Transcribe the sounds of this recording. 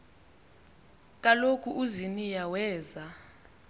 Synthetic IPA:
k̬ʼalokʰuʔuzinijawɛːza

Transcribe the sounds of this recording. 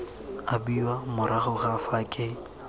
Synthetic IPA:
abiwamʊɾʔaχʊχafakʼe

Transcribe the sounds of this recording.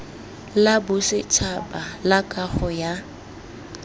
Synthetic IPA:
labʊsɪt͡ʃʰapalakʼaχɔja

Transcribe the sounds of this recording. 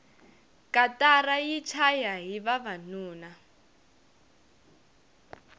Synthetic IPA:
katarajit͡ʃʰajaɦiβaβanuːna

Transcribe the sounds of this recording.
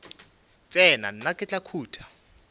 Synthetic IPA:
t͡sʼɛna̰n̩nakʼɪt͡ɬʼakʰuːtʰḁ

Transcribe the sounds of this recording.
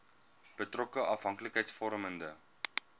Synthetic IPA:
b̥ətrɔkəʔɐfɦɐŋkləkɦɛjtsfɔɾəməndə

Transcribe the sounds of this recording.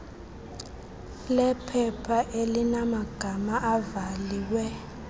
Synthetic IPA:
lɛpʰɛpʰaʔelinamaɡ̥ʱamaʔavaliːwɛ

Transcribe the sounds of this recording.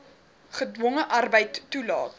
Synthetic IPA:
χədwɔŋəʔɐrbəjtːulɑːt

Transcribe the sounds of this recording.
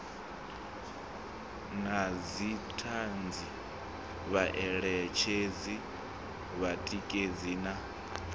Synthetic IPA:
nazitʰand͡zi | βaʔɛɺɛt͡ʃʰezi | βatʼikʼed͡zina

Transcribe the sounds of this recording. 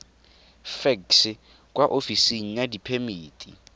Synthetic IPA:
fɛks | k̬ʼwaʔofisiŋ̩nadipʰemiːtʼḭ

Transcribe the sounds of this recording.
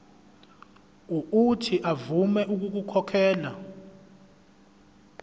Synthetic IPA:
uutʰiʔavumɛʔuk̬uk̬ukʰɔkʰɛːla̰

